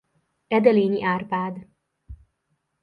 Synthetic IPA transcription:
ɛd̪ɛleːɲiʔaːrpaːd̪

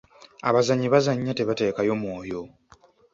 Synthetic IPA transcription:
a̰βazaɲːiβazaɲːate̞βate̞ːkajo̞mwo̞ːjo̞

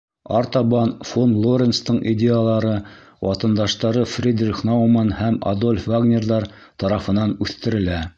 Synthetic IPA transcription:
ɑɾt̪ɑbɑnfonlˠoɾʲenst̪ɤɴʔidʲejalˠɑɾɤ | wʔɑt̪ɤ̆nd̪ɑʃt̪ɑɾɤfrʲid̪rʲiχnawmɑnhæma̰d̪olʲfvaɡnʲerðɑɾ | t̪ɑɾɑfɤ̆nɑnʉθt̪ɘ̆ɾɘ̆læ

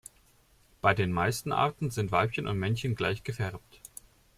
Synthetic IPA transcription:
b̥aɪdeːnmaɪstn̩ʔa̰ɐtn̩zɪntv̥aɪpçənʔʊ̰ntmɛnçənɡlaɪçɡ̥əfɛʁp̚t

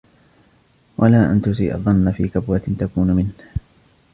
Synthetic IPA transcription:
wʔalaːʔa̰nt̪ʊsḭːʔɑ̰ðˤːɑnːafiːkabwat̪t̪akuːnʊmɪnh

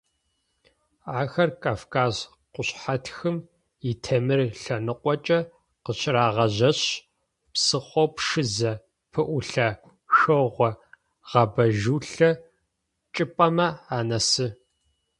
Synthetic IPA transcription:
aːxɐrkʰʼaːfkʰaːz | qʷʊɕħatʰxɨm | ɪtʰɐmɨrɬɐnɨqʷʼɔt͡ʃʼɐ | qəɕʰɪraːʁɐʑɐɕ | psɨχʷɔpʂɨzɐ | pʰɨʔʷʊɬɐ | xɨʁʷɔ | ʁ̥ɐbɐʒuːɬɐ | t͡ʃʼɪpʼɐmɐaːnɐsɨ

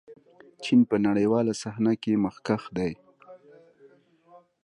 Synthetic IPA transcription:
t͡ʃinpənaɽəjwɑlasahnakeməxkaxd̪aj

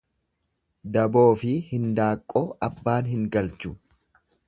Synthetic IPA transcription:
d̪ɐbo̞ːfɪhɪnd̪aːkʼːo̞ːɐbːaːnɦɪŋɡɐlt͡ʃʊ

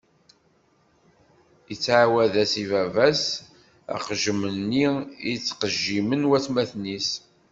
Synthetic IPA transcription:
jət͡sːʕawæðæsivævæs | æ̰qʒmənːiḭt͡sːqəʒːimənwæθmæθnis

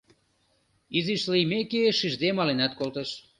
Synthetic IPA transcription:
iziʃlimekeʃiʒd̪emɑlenɑt̪̚kolt̪eʃ

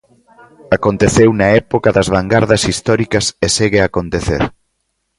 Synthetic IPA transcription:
akont̪eθewnɐɛpokɐðɐzβ̞aŋɡaɾðɐsist̪ɔɾikɐseseɣeakont̪eθḛɾ

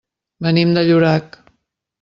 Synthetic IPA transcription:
bənimd̪əʎuɾak

